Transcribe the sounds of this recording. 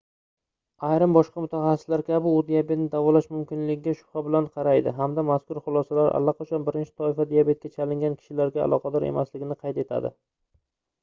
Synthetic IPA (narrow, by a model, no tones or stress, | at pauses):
ajɾɪmbɒʃqɑmʊt̪ʰaχɑsɪ̥slaɾkʲʰabɪʊd̪ijabe̞t̪̚nɪd̪avɒlaʃmʊmkʲɪnlɪɡʲɪɡʲaʃʊ̥pχabɪlanqʰɑɾajd̪ɪɦamd̪amaskʊɾχʊlˠɒsalaɾʔa̰lːaqʰɒt͡ʃʰanbɪɾɪnt͡ʃʰɪ̥t̪ʰɒɪfad̪ijabe̞t̪̚kʲat͡ʃʰalɪŋʲankʲʰɪ̥ʃɪlaɾɡʲa̰ːlˠɒqʰɑd̪ɒɾe̞̰maslɪɡʲɪnɪqʰɑjt̪e̞t̪ʰa̰d̪ɪ̰